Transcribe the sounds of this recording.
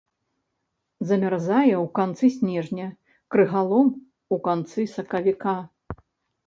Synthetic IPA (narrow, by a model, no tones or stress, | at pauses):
zɐmʲarzajɛwkant̪sɨsʲnʲɛʐnʲɐ | kɾɨɣalˠɔm | ukant̪sɨsɐkɐvʲika